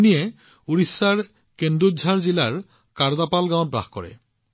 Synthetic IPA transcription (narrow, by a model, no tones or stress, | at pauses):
nije | uɾisːaɾ | kend̪ɾodʱaɾd͡ʑilaɹ | kaɾd̪apalɡãw̃t̚bɾa̰xkɔ̰ɾḛ